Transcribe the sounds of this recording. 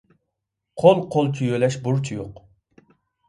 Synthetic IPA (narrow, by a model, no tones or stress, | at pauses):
qʰolˠqʰolˠk̪ʲʰyjølɛʃbuɾt͡ʃʰijoq